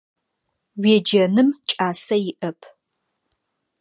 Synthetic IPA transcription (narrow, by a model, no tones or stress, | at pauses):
wiːd͡ʒɐnɨmt͡ʃʼaːsɐjɪʔɐpʰ